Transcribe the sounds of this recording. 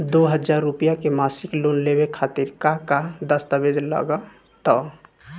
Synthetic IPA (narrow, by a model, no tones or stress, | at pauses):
d̪oɦəd͡ʒaːɾːupijakemaːsɪkloːnlebekʰaːt̪ɪɾkakad̪əst̪abed͡ʒ̪la̰ɡa | t̪ɔ